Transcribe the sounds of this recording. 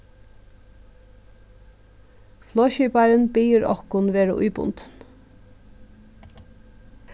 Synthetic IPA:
floːçyːpɑɾənbiːəɾʔɔ̰kʊnʋeːɾə̰ʔʊ̰ːbʊ̰nt̪n

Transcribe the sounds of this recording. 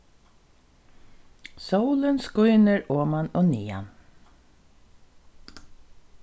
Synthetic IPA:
sowlənskʊjnəɹoːmanoːniːa̰n

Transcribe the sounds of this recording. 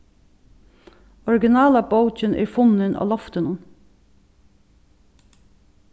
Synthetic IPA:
ɔɹɡɪnɑːlɑboʊt͡ʃɪnʔɛ̰ɾfʊnɪnʔɑ̰ːlɔft̪ənʊn

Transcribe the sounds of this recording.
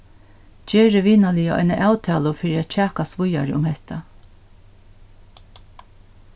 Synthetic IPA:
t͡ʃeːɾəʋiːnalɪjaʔɔ̰jnəʔaːwt̪ʰɛːlʊfɪːɾiat̪t͡ʃʰæːkast̪ʋʊjaɾəʔʊmhɛht̪ʰa

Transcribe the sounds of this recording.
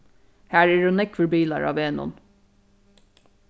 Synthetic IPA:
hæːɹɛʉːnɛkʋəɹbiːlɑ̰ɹɑ̰ːʋeːnʊ̰n

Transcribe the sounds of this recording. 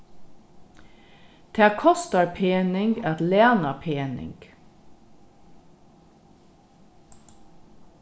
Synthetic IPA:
d̪̥ʰæːkʰɔst̪ɑɾpʰeːnɪŋɡæt̪leːnɑpʰeːnɪ̰ŋɡ̥

